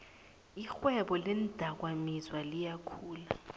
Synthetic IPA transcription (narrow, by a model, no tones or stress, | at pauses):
ixwɛɓɔlɛnd̥ʱak̬wamizwalijakʰuːla